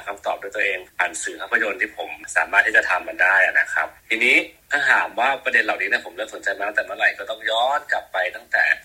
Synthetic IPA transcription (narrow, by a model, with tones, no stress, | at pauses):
kʰa˧mt̪ɔː˨˩p̚doː˧jt̪u˧ʔeː˧ŋpa˨˩˦nsɯː˩˦kʰa˧˥˩pʰːa˧jo˧nt̪ʰiː˥˩pʰo˩˦msaː˩˦maː˥˩t̪ʰːiː˥˩t͡ɕa˨˩t̪ʰa˧mːa˧ndaː˥˩jʔa̰˨˩na˦˥kʰɾa̰˦˥p̚t̪ʰiː˧niː˦˥k̪ʰaː˥˩h̪aː˩˦mwaː˥˩pɾa˧de˧nlaː˨˩wniː˦ni˥˩ɐpʰo˩˦mɾɯ˥˧˩mso˩˦nt͡ɕa˧jmaː˥˩t̪ɛː˨˩mɯ˥˩ŋɾa˨˧˩jkɔː˥˩t̪ɔ˥˩ŋjɔː˦˥nkla˨˩pːa˧jt̪a˥˩ŋt̪ɛ̰ː˨˩